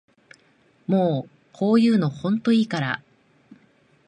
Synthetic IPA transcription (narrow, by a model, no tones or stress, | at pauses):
moː | kʰo̞ːjɯ̟ːno̞hõ̞nt̪o̞iːkaɾa̰